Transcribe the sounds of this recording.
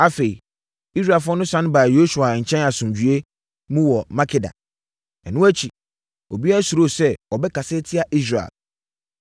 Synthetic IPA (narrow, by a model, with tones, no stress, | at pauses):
a˦fe˨i˨ | i˦s̬ɾa˨fʊ˦ɔ˦nʊ̃˦sã˦n˦baː˨jo˦su˨a˨ɲ̩˨t͡ɕʰɛ̃˦na˨sʊ̃˨d͡ʑu˨e˦ | mũ˦wɔ˨mã˦kʰɪ˦da̰˨ | ɛ˨nʊ̃˦æ˦t͡ɕʰi˨ | o˨bi˦a˦æ˨˦su˨ɾo˦˨sɛ˦ɔ˨bɛ˦kʰa˨se˦tʰɪ˦a˨ʔi˦s̬ɾa̰˨l